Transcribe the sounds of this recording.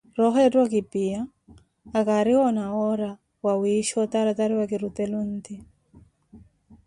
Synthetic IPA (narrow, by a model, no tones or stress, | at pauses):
rɔɦɛdwakɪpɪaː | kaɾɪɔnaɔɾa | wawiʃɔt̪aɾat̪aɾɪwakɪɾut̪ɛlunt̪i